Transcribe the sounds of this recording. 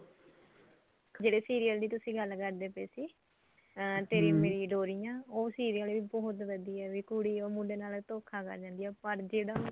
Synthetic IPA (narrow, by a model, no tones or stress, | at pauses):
d͡ʒeːɽeːsiːɾijəld̪iːt̪ʊsĩːɡəlkəɾd̪eːpeːsiː | t̪eːɾĩːmeːɾiːɖoːɾijãːoːsiːɾijəlːiːbɔːt̪ʋəd̪iːɛːʋiːkʊɽiːoːmũːɖeːnaːlt̪oːkʰaːkə̰ɾd͡ʒãːnd̪ijaːpəɾd͡ʒeːɽaː